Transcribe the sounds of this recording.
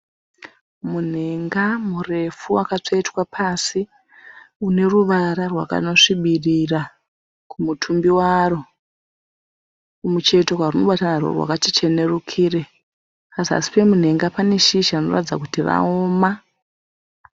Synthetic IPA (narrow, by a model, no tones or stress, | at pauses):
mun̤e̞ŋɡamure̞fuakat͡ʂoitwapʰasi | une̞ruʋaɾarwa̰ka̰no̞ʂiɓirira | kumutʰumbiwaro̞ | umut͡ʃe̞to̞kwaruno̞ɓatanarwo̰rwa̰katit͡ʃe̞ne̞rukʰiːre̞ | asia̰si̥pe̞mun̤e̞ŋɡapane̞ʃiʃano̞̰ra̰id͡zakutira̰oːma